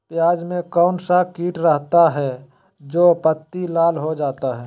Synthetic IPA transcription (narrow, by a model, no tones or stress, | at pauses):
pjaːd͡ʒmẽkɔːnsakiːʈɾəɦt̪aɦɛ | d͡ʒoːpət̪ːilaːlɦod͡ʒaːt̪aɦɛː